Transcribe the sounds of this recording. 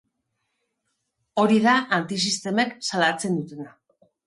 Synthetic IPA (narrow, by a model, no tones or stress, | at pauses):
o̞ɾiðaʔant̪is̬ist̪e̞meksalat͡se̞nd̪ut̪e̞na